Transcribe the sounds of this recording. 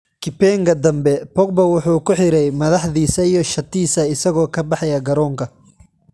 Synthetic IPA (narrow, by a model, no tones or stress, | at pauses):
kʰɪpɛŋkʰɐd̪ɐmbɛpɔk̚bɐwʊħuːkʰʊħɪɾɛjmɐðɑħðiːsɐijɞʃɐt̪ʰiːsɐɪsɐɣɔːkʰɐbɑħɑjɐɡɐɾɔːŋkʰɐ